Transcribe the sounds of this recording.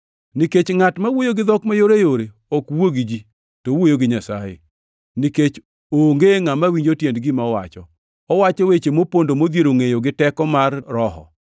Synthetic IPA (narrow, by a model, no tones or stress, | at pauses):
niket͡ʃŋatmawojoɡɪd̪ɔkmajoɾejoɾe | okwoɡid͡ʒi | towojoɡɪɲasa̰jḛ | niket͡ʃ | oŋɡeŋamawiɲd͡ʒotjendɡɪmaɔwa̰t͡ʃɔ | ɔwat͡ʃɔwet͡ʃemopondomod̪jeɾoŋejoɡɪtɛkɔmarːɔɦɔ̰